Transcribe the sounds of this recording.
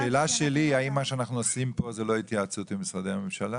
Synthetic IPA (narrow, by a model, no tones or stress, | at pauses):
ʃelaʃeliaimːaʃeanaχnuosimpo̞zelo̞it̪jaːt͡sut̪bemisʁad̪ejhamimʃala